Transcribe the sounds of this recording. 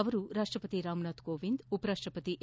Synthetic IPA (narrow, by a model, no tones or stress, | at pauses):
ɐʋɐɾuɾaːʂʈɾɐpɐt̪iɾaːmnaːt̪koːʋind̪upɐɾaːʂʈɾɐpɐt̪iʔ